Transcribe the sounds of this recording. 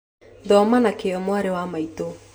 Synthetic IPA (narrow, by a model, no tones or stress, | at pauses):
ðɔmanakeɔmwaɾewamaito